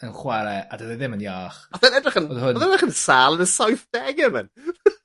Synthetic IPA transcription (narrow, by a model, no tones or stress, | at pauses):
ənχwaɾɛadəðaðɪmənjaːχɔðənɛdrɪχənoðhʊnðɛdrɪχənsaːlˠənəsɔjθd̥ɛɡəmə̰n